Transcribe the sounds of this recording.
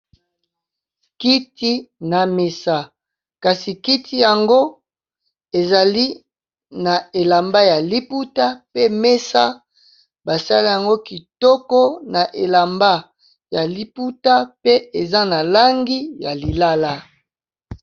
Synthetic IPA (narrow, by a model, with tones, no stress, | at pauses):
ki˦ti˦na˨me˨sa˦ | ka˨si˨ki˦tʰi˦ja˨ŋɡo˦ | e˨za˨li˦ | na˨e˨la˨mba˦ja˨li˦pu˦ta˦pe˦me˦sa˦ | ba˨sa˦li˦ja˨ŋɡo˦ki˨tɔ˦kɔ˦na˨ʔe˨la˨mba˦ | ja˨li˦pu˦ta˦pe˦e˨za˦na˨la˦ŋɡi˦ja˨li˨la˦la˦